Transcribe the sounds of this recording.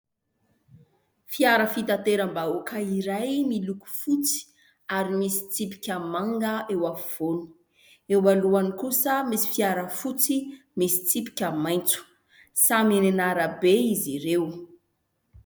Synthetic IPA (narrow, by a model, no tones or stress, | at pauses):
fiaɾəfit̪ant̪eɾəmbaokʰəiɾajmiluku̥fut͡si̥ | aɾimisi̥t͡sipi̥kʲamaŋɡəewav̥oni̥ | ewaluanikusəmisi̥fiaɾəfut͡si | misi̥t͡sipi̥kʲamajnt͡su̥ | samenenaɾəbeiziɾew